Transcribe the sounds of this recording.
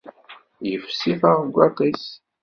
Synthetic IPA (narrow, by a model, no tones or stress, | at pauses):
jəfsifaʁəɡʷːɑt̪ˤis